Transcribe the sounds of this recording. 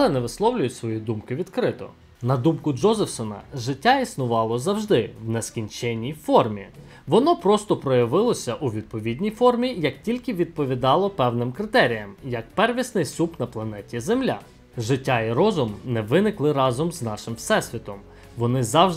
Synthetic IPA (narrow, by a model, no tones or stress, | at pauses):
lɛnɛʋɪslˠɔwlʲʊjʊtʲsʋɔjid̪umkɪʋʲid̪kɾɪt̪ɔ̰ | nɐd̪umkʊd͡ʒɔzefsɔnɐ̰ʒɪtʲːaisnʊʋɑlˠɔzɐwʒd̪ɪwnɛskʲinʲt͡ʃɛnʲːijfɔrmʲi | ʋɔnɔpɾɔst̪ɔpɾɔjɐʋɪlˠɔsʲɐʔuʋʲid̪̚pɔʋʲidʲnʲijfɔrmʲijɐk̚tʲilʲkɪʋʲid̪̚pɔʋʲid̪ɑlˠɔpɛwnɪmkɾɪt̪ɛɾʲijɐmjɐk̚pɛrʋʲisnɪjsupnɐplˠɐnɛtʲizemlʲa̰ | ʒɪtʲːaiɾɔzʊmnɛʋɪnɪklˠɪɾɑzɔmznɑʃɪmfsɛsʲʋʲit̪ɔm | ʋɔnɪzɑwʒ